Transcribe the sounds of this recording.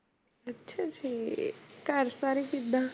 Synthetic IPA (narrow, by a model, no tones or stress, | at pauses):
ɐtːʃʰat͡ʃʰikaɾsaɾikid̪a